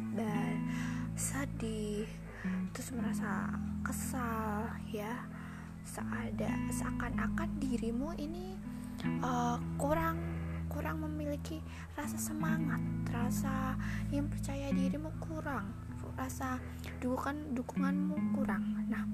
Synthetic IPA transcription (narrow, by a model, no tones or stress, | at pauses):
dansədih | t̪ɾʊsməɾasa̰kəsal | ja | saʔːda̰sakanakandiɾimuini | əkuɾaŋkuɾaŋməmiliki | rasasəmaŋat̪̚rasajaŋpərt͡ʃajadiɾimukuɾaŋ | rasa | dukukandukuŋanmukuɾaŋnah